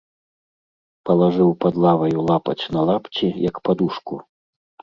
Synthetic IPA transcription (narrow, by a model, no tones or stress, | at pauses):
pɐlˠaʐɨwpɐd̪lˠavɐjulˠapɐ̰t͡sʲnɐlˠapt͡sʲijɐkpad̪uʂku